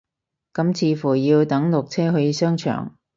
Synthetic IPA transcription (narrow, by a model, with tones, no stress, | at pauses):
kɐ˨˥mt͡sʰiː˨˧˥fuː˨˩jiː˧wt̪ɐ˨˥ŋlʊ˨k̚t͡sʰɛː˥ɦɵ˨˧jiː˧sœː˥ŋt͡ʃʰœ̰ː˨˩ŋ